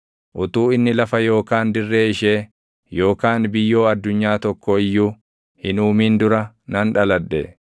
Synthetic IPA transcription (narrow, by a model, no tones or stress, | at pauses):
ʔʊt̪uːɪnːɪlɐfɐjo̞ːkaːnd̪ɪrːe̞ːɪʃe̞ː | jo̞ːkaːnbɪjːo̞ːɐd̪ːʊɲːaːt̪ɔkːoɪjːuː | hɪnuːmiːnd̪ʊɾɐ | nɐnᶑɐlɐᶑːɛ̰